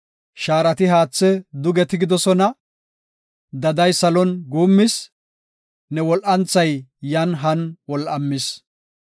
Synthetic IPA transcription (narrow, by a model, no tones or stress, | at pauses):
ʃaːɾɐt̪ɪɦaːt͡sːɛd̪ʊɡɛt̪ɪɡɪd̪ɔsɔnɐ | d̪ɐd̪ɐjsɐlɔnɡuːmːɪs | nɛwɔlʔɐnt͡sːɐjjɐnɦɐnwɔlʔɐmːɪs